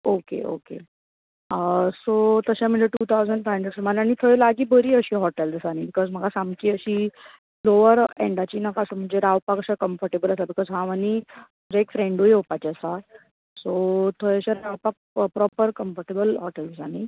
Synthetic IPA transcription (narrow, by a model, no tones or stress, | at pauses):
okḛʔo̰kḛ | sot̪əɕam̤əɳnd͡zeʈuːt̪ʰawd͡zəɳɖfəɳɖɾəɖsmanañit̪ʰoelaɡiːbəɾiːəɕiːɦɔʈɛld͡zəsañibikɔzm̤əɡasamkiːəɕiː | loʋəɾeɳɖat͡ɕiːnəkasam̤əɳd͡zeɾaʋpakəɕakəmfəɾʈebələsabikɔzɦaʋəniməɳd͡zd͡ʑeekfɾẽɳɖɦojɦopat͡ɕiəsa | sot̪ʰoɭəɕaɾɾaʋpak̚pɾɔpəɾkəmfəɾʈebəlɦɔʈɛld͡zsani